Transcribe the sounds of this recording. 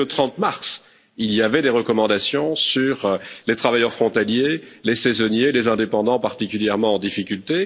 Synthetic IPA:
ot̪χɑ̃t̪maʁs | ilijavɛd̪eʁəkɔmɑ̃d̪asjɔ̃syʁlet̪χavajœʁfχɔ̃t̪aljelesɛzɔnjelezɛ̃d̪epɑ̃d̪ɑ̃paʁt̪ikʲyljɛʁmɑ̃ɑ̃d̪ifikʲylt̪e

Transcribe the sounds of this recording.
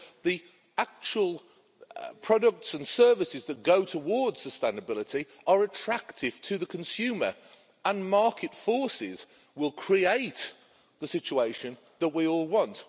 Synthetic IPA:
ði | ak̚t͡ʃəwəlˠ | pʰɹ̥ɒdək̚tsə̃nsɜ˞vɪsɪzðət̚ɡ̥oʊtʰəwɔːdz̥səstẽɪ̃nəbɪlˠɪtʰi | ʔəɹətʰɹ̥aktʰɪv̥tʰəðəkʰə̃nsjʉːmə̰˞ | ə̃nmɑɹkʰɪtfɔɹsɪz | wɪlˠkʰɹ̥ieɪʔ | ðəsɪt͡ʃueɪʃə̃n | ðəʔwiɔːlˠwɒ̃nt

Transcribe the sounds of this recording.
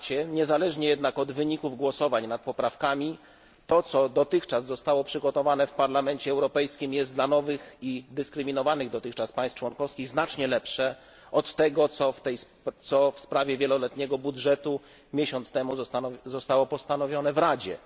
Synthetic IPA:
t͡ɕɛɲɛzalɛʐɲɛjɛd̪nakɔd̪vɘɲikuvɡwɔsɔvaɲnat̪̚pɔpɾafkamʲi | t̪ɔt̪sɔd̪ɔt̪ɘxt͡ʂazːɔst̪awɔpʂɘɡɔt̪ɔvanɛfpaɾlamɛɲt͡ɕɛɛwɾɔpɛjskʲimjɛst̪d̪lanɔvɘxid̪ɘskɾɘmʲinɔvanɘɣd̪ɔt̪ɘxkt͡ʂaspãj̃st̪t͡ʂwɔnkɔfskʲiɣznat͡ʂɲɛlɛpʂɛ | ʔɔt̪ːɛɡɔt̪sɔft̪ɛj | t̪sɔfspɾavʲjɛvʲjɛlɔlɛt̪ɲɛɡɔbudʐɛt̪u | mʲjeɕɔnt̪st̪ɛmuzɔst̪awɔpɔst̪anɔvʲjɔnɛvɾad͡ʑɛ̰

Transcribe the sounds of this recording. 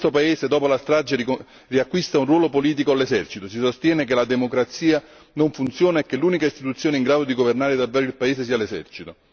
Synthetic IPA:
st̪opaeːsed̪ɔːpolast̪ɾad͡ʒei | riakːwist̪aunrwɔːlopoliːt̪̬ikoalesɛrt͡ʃit̪osisost̪jɛːnekelad̪emokɾat̪siːa | noɱfunt̪sjoːnaekːelːuːnikaist̪it̪ut̪sːjoːneiŋɡɾaːd̪od̪iɡovernaːɾed̪avːɛːɾoilpaeːses̬iːalesɛ̰rt͡ʃit̪o

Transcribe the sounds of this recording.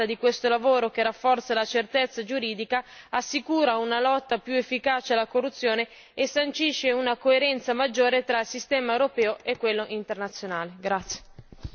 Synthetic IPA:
ad̪ikwest̪olavoːɾok̟erafːɔrt̪salat͡ʃert̪et̪sːad͡ʒuɾiːd̪ikaasːikuːɾaunalɔt̪ːapjuefːikaːt͡ʃealːakorːut̪sːjoːne | esːant͡ʃiʃːeunakoeɾɛnt̪samad͡ʒːoːɾet̪ɾailsist̪ɛːmaewɾopɛːoekːwelːoʔint̪ernat̪sːjonaːleɡɾat̪sːje̥

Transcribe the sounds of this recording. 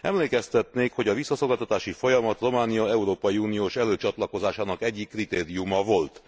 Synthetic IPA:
ɛ̰mleːkɛst̪ɛt̪neːkho̞ɟɒvisːɒsolɡalt̪ɒt̪aːʃifo̞jɒmɒt̪ro̞maːnijɒɛuɾoːpɒjiuːnijoːʃɛløːt͡ʃɒt̪lɒko̞zaːʃaːnɒkɛɟːikːrit̪eːɾijumɒvo̞lt̪

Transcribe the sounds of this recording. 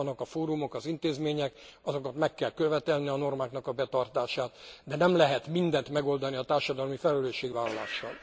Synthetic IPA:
nːɒkɒfoːɾumo̞kɒzint̪eːzmeːɲɛkɒzo̞kɒt̪mɛkːɛlkøvɛt̪ɛlniɒno̞rmaːknɒkɒbɛt̪ɒrt̪aːʃaːt̪d̪ɛnɛmlɛɦɛt̪mind̪ɛnt̪mɛɡo̞ld̪ɒniɒt̪aːrʃɒd̪ɒlmifɛlɛløːʃːeːɡvaːlɒla̰ːʃːɒ̰n

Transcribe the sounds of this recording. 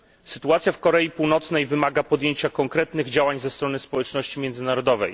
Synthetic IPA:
sɘt̪uat̪sʲjafkɔɾɛjipuwnɔt̪snɛjvɘmaɡapɔd̪jeɲt͡ɕakɔŋkɾɛt̪nɘɣd͡ʑawaɲzɛst̪ɾɔnɘspɔwɛt͡ʂnɔɕt͡ɕimʲjɛnd̪zɘnaɾɔd̪ɔvɛ̰j

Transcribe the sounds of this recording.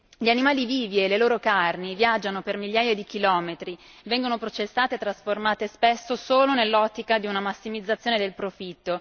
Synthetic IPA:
ʎianimaːliviːvieleloːɾokarnivjad͡ʒːanopermiʎjaːjad̪ikilɔːmet̪ɾi | vɛŋɡonopɾot͡ʃesːaːt̪et̪ːɾasformaːt̪espesːosoːlonelːɔt̪ːikad̪iunamasːimid̪zːat̪sːjoːned̪elpɾofit̪ːo

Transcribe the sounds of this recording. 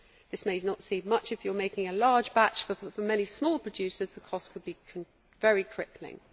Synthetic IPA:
ðɪsmeɪnətsiːmʌt͡ʃɪfjəmeɪkɪ̃ŋəlɑːdd͡ʒbat͡ʃfəfəmɛñismɔːlˠpʰɹ̥əd͡ʒʉˑsəzðəkʰɒstkʰəd̚bĩn | vɛɹikʰɹ̥ɪklɪ̰̃ŋ

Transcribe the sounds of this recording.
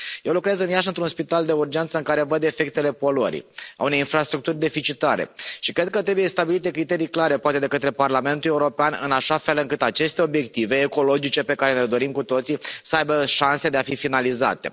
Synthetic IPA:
je̞wlukɾezɨnjaʃɨnt̪ɾunspit̪ald̪e̞urd͡ʒent̪səɨŋkaɾe̞vəd̪e̞fe̞k̚t̪e̞le̞po̞loɾḭa̰une̞jinfɾast̪ɾuk̚t̪urʲd̪e̞fit͡ʃit̪aɾe̞̰ʃikɾe̞d̪̚kət̪ɾe̞bujest̪abilit̪e̞kɾit̪e̞ɾijklaɾe̞poat̪e̞d̪e̞kət̪ɾe̞parlame̞nt̪ulje̞uɾo̞peanɨ̰naʃafe̞lɨŋkɨt̪at͡ʃe̞st̪e̞o̞bje̞k̚t̪ive̞ːko̞lo̞d͡ʒit͡ʃe̞pe̞kaɾeneled̪o̞ɾimkut̪o̞t̪sisəajbəʃanse̞d̪eafifinaliza̰t̪e̞̰

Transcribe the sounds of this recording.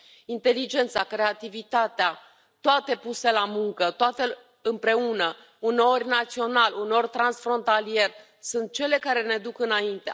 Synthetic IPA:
int̪e̞lid͡ʒe̞nt̪sakɾe̞at̪ivit̪at̪ea | t̪oat̪e̞puse̞lamuŋkət̪oat̪e | ɨmpɾe̞unə | uneo̞rʲnat̪sio̞naluno̞rʲt̪ɾansfɾo̞nt̪alie̞r | sunt̪̚t͡ʃe̞le̞kaɾe̞ne̞d̪ukɨnaint̪e

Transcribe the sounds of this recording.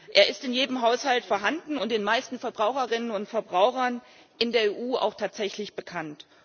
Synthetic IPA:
ʔeːɐɪstɪnjeːdəmɦaʊshaltfoːɐɦandn̩ʊntd̥eːnmaɪstn̩fɛɐbʁaʊxɐʁɪnənʊntfɛɐbʁaʊxɐn | ʔɪndeːɐeːʔuːa̰ʊxtʰaːtz̥ɛçlɪçb̥əkʰant

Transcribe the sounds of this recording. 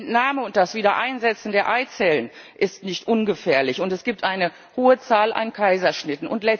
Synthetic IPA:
ntnaːməʊnt̚d̥asv̥iːdɐʔaɪnzɛt͡sn̩deːɐʔaɪt͡sɛlən | ʔɪstnɪçtʔʊnɡəfɛːɐlɪçʊntɛsɡ̥iːp̚tʔaɪnə | hoːət͡saːlʔa̰nkʰaɪzɐʃnɪtn̩ʊntlɛ

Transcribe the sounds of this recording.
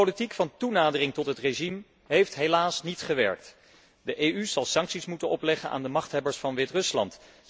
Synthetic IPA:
olitikfɑntunaːdərɪŋtɔtɦətreʒim | ɦejftɦelaːsnitχəʋɛ̰ɹk̚t | dəʔeyz̥ɑlˠsɑŋksismutənɔplɛχənʔa̰ːndəmɑχtɦɛbəɹsfɑnʋɪtrɵslɑ̰nt

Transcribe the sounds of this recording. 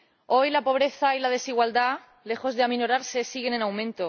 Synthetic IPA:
o̞jlapo̞β̞ɾe̞θailað̞e̞siɣwald̪a | le̞xo̞zðeaminoɾaɾse̞siɣe̞ne̞nawmẽnt̪o

